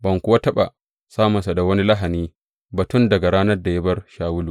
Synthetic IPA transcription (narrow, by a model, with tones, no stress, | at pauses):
bɐ˨ŋkʷʊ˦wa˦tɐ˦ɓa̰˨ | saː˦mɐ˨nsa˨da˨wɐ˦ni˦lɐ˦ɦa˨niː˦ | bɐ˨tʊ˦˨ndɐ˨ɡa˨ɽaː˦nɐ˦rda˨ja˦bɐ˦rʃaː˨wʊ˦luː˨